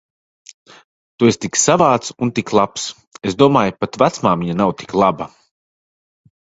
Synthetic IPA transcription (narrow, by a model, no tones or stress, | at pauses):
t̪uest̪iksavaːt̪sunt̪iklˠaps | esd̪uɔmaːjpat̪vat̪smaːmiɲanawt̪i̥klˠabɐ